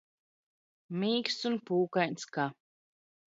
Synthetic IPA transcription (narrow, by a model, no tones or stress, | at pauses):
miːksunpuːkajnska